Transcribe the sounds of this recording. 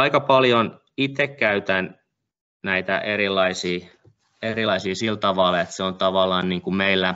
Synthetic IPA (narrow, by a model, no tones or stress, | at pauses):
ɑikɑpɑljon | it̪ːekkæyt̪æn | næit̪æ̰ʔeɾilːˑɑisiː | erilɑisiːsilt̪ɑʋɑlet̪seont̪ɑʋɑlːˑɑːnniːŋkumeilːæ